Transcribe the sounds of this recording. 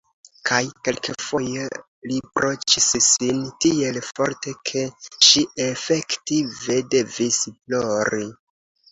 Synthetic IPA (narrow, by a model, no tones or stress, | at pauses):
kʰajke̞lkefo̞je | lipɾo̞t͡ʃissintie̞lfo̞ɾte̞kʰe̞ʃiʔefe̞ktive̞de̞visplo̞ɾi